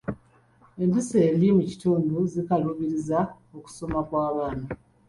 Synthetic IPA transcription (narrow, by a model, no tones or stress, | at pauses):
e̞ndise̞ːndimuci̥tuːnduzikaluβiɾiza | o̞ku̥so̞makwaːβaːna